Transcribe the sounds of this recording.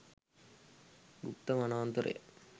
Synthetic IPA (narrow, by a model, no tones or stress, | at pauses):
ɡṵpt̪ɐmanaːnt̪ɐɾʔɐ̰j̰